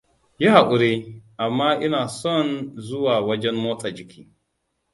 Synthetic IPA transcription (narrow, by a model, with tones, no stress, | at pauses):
ja˦ha˨ʔʷʊ˨ɾe˦ʔa˨mːaː˦ʔɪ˦naː˨sɔ˦˨nzʊ˦waː˨wɐ˦d͡ʒɛ˦mmoː˦taː˨d͡ʒɪ˨kʲʰiː˦